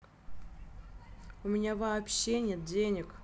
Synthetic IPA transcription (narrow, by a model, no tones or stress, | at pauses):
ʊmʲɪnʲavɐːpɕːenʲet̪̚dʲenʲɪk